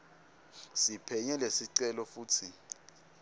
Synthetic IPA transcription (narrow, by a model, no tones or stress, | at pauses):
sipʰɛɲɛlesiǀɛlɔfuːtʰi